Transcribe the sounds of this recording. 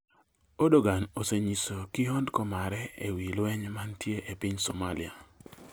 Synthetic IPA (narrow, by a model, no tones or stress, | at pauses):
odoɡanoseɲisokɪɦondkɔmaɾɛḛwilwɛɲmantjeʔepɪɲsomalia